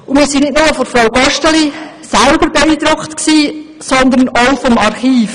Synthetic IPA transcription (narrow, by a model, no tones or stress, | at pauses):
ʊnmiːɾsinɪtnʊməfɔɾfɾawɡɑʃtəli | sælbəɾbeiːd̥ɾʊkχt̪ksiː | sɔnd̪ənoʊfɔmɑrχiːf